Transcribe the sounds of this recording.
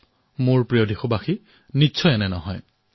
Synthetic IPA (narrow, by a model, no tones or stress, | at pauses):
mʊɹpɹijodʱixʊbaxi | nitːʃʰɔjɛnɛnɔ̰ɦɔ̰j